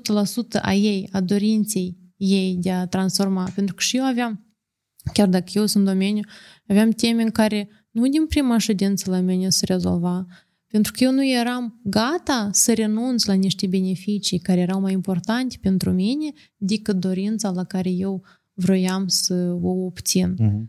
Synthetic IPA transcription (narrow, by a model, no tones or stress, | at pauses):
ut̪əlasut̪əʔa̰je̞jad̪o̞ɾint̪se̞jː | e̞jd̪eat̪ɾansfo̞rmape̞nt̪ɾukə̥ʃijewaveam | kʲard̪akəjewsɨnt̪d̪o̞me̞nʲju | aveamt̪e̞meɨŋkaɾe̞ | nud̪ʲinpɾimaʃed̪int̪səlaminʲesəɾe̞zo̞̰lva | pent̪ɾukəje̞wnuje̞ɾamɡat̪asəɾe̞nunt̪slaniʃt̪ʲebe̞ne̞fit͡ʃijkaɾejeɾawmajimpo̞rt̪ant̪ʲe̥pe̞nt̪ɾuminʲe̞ | d̪ekɨt̪̚d̪o̞ɾint̪salakaɾe̞je̞w | vɾo̞jamsəoopt̪sin